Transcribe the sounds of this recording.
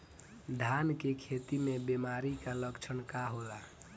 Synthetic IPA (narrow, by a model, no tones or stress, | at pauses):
d̪ʱankekʰet̪imebemaɾikaləkt͡ʃʰənkaɦola